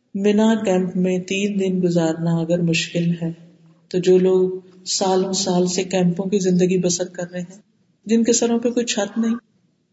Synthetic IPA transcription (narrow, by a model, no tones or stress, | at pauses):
mɪnakɛ̃ːmpmẽt̪iːnd̪ɪnɡʊzaːɾnaɐɡəɾmʊʃkɪlɦɛː | t̪od͡ʒoːloːɡ | saːlõsaːlsekɛ̃ːmpõkizɪ̃nd̪əɡibɐsəl̚kɐɾːeɦɛ̃ː | d͡ʒɪnkesɐɾõpekoːit͡ʃʰɐt̪nɐɦĩː